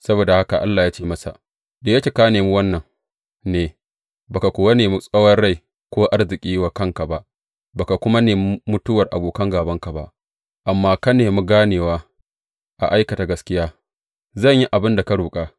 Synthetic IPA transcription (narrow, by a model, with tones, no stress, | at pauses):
sɐ˦boː˨da˨ha˦ka˨ʔa˦lːaː˨jaː˦t͡ʃeː˦mɐ˦sa̰˨ | deː˨jɐ˦kʲeː˨ka˦neː˨mu˦wɐ˦nːɐ˨ŋ | neː˨ | ba˨ka˨kʷoː˨wa˦neː˨mu˦sʼɐ˦wɐ˦rɽa˦˨j | kʷoː˦ʔa˦rzɪ˨kʲʼiː˦waː˨kɐ˦˨ŋka˨ba˦ʔ | baː˨ka˨kʷʊ˦ma˦neː˨mʊ˦tʊ˦wɐ˨rʔa̰˨boː˨kɐ˦ŋɡaː˨bɐ˦ŋka˨ba̰˦ʔ | ʔa˨mːaː˦ka˦neː˨mu˦ɡaː˦neː˨waː˦ | ʔa̰˨ʔa˦jkɐ˨ta˨ɡɐ˦skʲɪ˦jaː˦ | zɐ˦˨ɲji˦ʔa˨bɪ˦nda˨ka˦ɽuː˨kʼaː˦